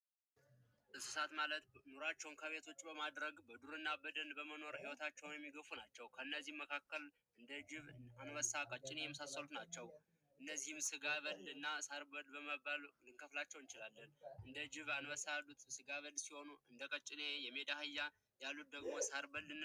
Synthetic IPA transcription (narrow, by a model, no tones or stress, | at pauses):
ʔɨsɨ̥sat̪malət̪noɾat͡ʃːɛwnkʰəβe̞t̪ʰo̞t͡ʃːʼbəmad̪ɾəɡbəd̪uɾɨnːabəd̪ənbəməno̞ɾhiwɔt̪ʰat͡ʃːɛwnjɛmːiɡəfunat͡ʃːɛwkʰəɨnːəzːihmːəkʰakːəl | ʔɨnd̪əd͡ʒɪβanwəsakʼət͡ʃʼːɪnejɛməsasːəlut̪nat͡ʃːɛw | ʔɨnːəzːihɨmsɨɡaβəlɨnːasaɾbəlbəməbalɨŋkʰəflat͡ʃːɛwnt͡ʃɪlalːənʔɨnd̪əd͡ʒɪβanwəsalːut̪sɨɡaβəlsiho̞nuɨnd̪əkʼət͡ʃʼːɪnejɛmed̪ahɨjːa | jalːut̪̚d̪əɡmo̞saɾbəlːɨn